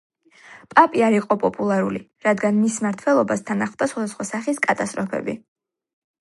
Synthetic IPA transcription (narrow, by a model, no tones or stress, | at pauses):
pʼapʼiaɾiqʼɔpʼɔpʼulˠaɾuli | ɾad̪ɡanmismaɾt̪ʰwɛlˠɔbast̪ʰanaχvd̪asχwad̪asχwasaχiskʼat̪ʼast̪ʼɾɔpʰɛ̰bḭ